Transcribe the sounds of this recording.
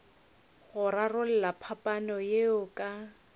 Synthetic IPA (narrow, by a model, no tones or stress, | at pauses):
ɣʊɾarʊl̩lapʰapʼanɔjeʊkʼa